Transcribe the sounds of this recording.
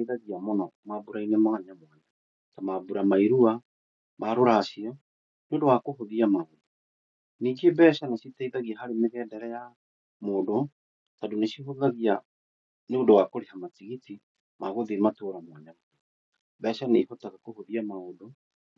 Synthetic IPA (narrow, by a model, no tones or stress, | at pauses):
iðaɣiamɔnɔmabuɾainɛmoɣaɲamwaɲa | tamabuɾamaiɾua | maɾoɾaːʃiɔ | neondowakoɦoðiamaodo | niːŋɡebɛːʃanaʃitaiðaɣiaɦaɾemeɣɛːdɛɾɛja | moːdo | tadoneʃiɦoðaɣia | neondowakoɾehamat͡siɣiti | maɣoðematoɾamwɛɲamo | bɛːʃaneihotaɣakohoðiamaodo